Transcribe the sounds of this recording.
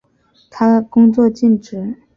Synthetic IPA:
t̪ʰa˥kʊ˥ŋt͡swɔ˥˧t͡ɕi˥˩nʈ͡ʂɻ̩˧˥

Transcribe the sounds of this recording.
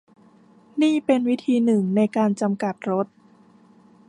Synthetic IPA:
niː˥˩pe˧nwi˦˥t̪ʰiː˧nɯ˨˩ŋna˧jkaː˧nt͡ɕa˧mka˨˩t̪̚ɾo˦˥t̪̚

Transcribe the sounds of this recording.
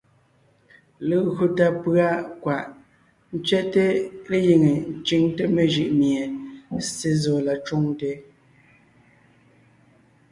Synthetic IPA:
le˨ɣu˨ta˨pɰa˦ʔkwa˨ʔ | n̩˦t͡ʃɥɛ˦ʔte˦le˦ji˨ŋe˨n̩˦˨t͡ʃi˦ŋte˦me˨ʒi˨ʔmje˨se˦zɔː˨la˨t͡ʃo˦ŋte˦

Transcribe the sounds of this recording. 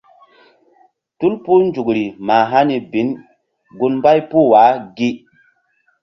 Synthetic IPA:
tu˦lpu˦nd͡ʒu˨kɾi˨ma˨ɦa˦ni˨bi˨˦n | ɡu˦nmba˦jpu˦˨wa˨˦ɡi˦

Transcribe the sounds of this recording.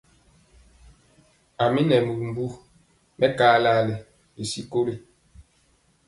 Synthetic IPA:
a˨mi˦nɛ˨mu˨m̩˨bu˦ | mʔɛ˦kaː˦laː˦le˨ | li˨si˦ko˦ɾi˦

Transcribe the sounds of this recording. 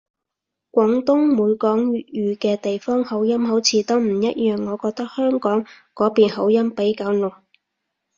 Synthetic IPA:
kʷɔː˨˥ŋt̪ʊ˥ŋmuː˨˧jkɔː˨˥ŋjy˨jyː˨˧kɛː˧t̪e˨jfɔː˥ŋho˨˥wjɐ˥mho˨˥wt͡sʰiː˨˥t̪ɔː˥ŋm̩˨˩jɐ˥t̚jœː˨˩ŋːɔː˨˧kɔː˧k̚t̪ɐ˥k̚hœː˥ŋkɔː˨˥ŋ | kɔː˨˥piː˨nɦo˨˥wjɐ˥mpe˨˥jkaː˨˥wnʊ˨˩

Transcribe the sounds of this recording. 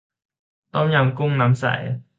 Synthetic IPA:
t̪ɔ˥mja˨˧mkʊ˥ŋna˨˦msa̰˨˩˦j

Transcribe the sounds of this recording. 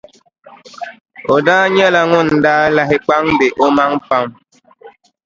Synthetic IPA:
o˨daː˦ɲə˦la˨ŋʊ˦˨n̩˨daː˦la˦ɦɪ˦k͡pa˦ŋ̩˦de˨ʔo˦ma˦ŋ̩˦pa˦m

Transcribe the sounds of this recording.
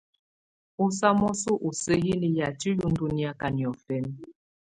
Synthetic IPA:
u˦sa˦mɔ˦su˦ʔu˨se˦ɦi˦li˦ja˨ti˦lu˦n̩˦du˦ni˦a˦ka˨ni˨ɔ˨fɛ˦n

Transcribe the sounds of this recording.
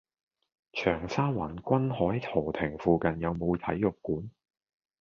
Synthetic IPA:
t͡ʃʰœː˨˩ŋsaː˥waː˨˩nkʷɐ˥nhɔː˨˥jt̪ʰɔː˨˩t̪ʰɪ˨˩ŋfuː˧kɐ˨njɐ˨˧wmo˨˧wt̪ʰɐ̰˨˥jːʊ˨kkːuː˨˥n

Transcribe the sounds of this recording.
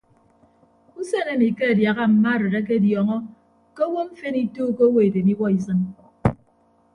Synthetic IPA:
u˦se˦ne˦˨ni˨ke˦a˨dja˨ɣa˦m̩˨ma˦˨ɾe˨ɣe˦k̬e˦djɔ˨ŋɔ˦ | ke˦wo˦m̩˦fe˦ni˦tuː˦ko˦wo˦e˨de˨ni˦wɔ˦i˨˦s̬ɨ˦n

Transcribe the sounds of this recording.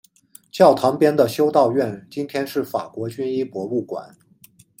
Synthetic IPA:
t͡ɕjɑ˥˩ʊt̪ʰɑ˧˥ŋpjɛ˥nd̪ə˨ɕjo˥ʊt̪ɑ˥˧ʊɥɛ˥˩nt͡ɕi˥nt̪ʰjɛ˥nʂɻ̩˥˩fa̰˨˩kwɔ˧˥t͡ɕy˥ni˥pwɔ˧˥u˥˩kwa̰˨˩˦n

